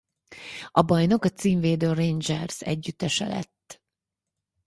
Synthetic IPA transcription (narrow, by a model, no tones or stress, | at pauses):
ɒbɒjno̞kɒt̪siːmveːd̪øːrend͡ʒɛrzɛ̰ɟːyt̪ːɛʃɛ̰lɛ̰t̪ː